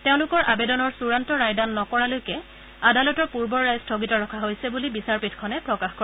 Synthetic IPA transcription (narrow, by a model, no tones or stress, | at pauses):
teʊ̃lʊkɔɹʔabedɔnɔɹsuɹantɔɹajdanːɔkɔɹalojkɛ | adalɔtɔɹpuɹbɔɹɹajstʰoɡitɔɹɔkʰaɦojsɛbulibisaɹpitkʰɔnɛpɹɔkaxkɔɹ